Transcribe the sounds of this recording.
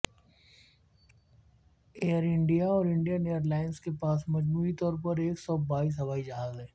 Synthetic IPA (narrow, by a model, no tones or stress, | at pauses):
eːəɾɪ̃ɳɖijaɔːɾɪ̃ɳɖijəneːəɾlaːɪnskepaːsmɐd͡ʒmuːit̪ɔːɾpɐɾeːksɔːbaːiːs̬ɦɐbaːid͡ʒɐɦaːzɦɛː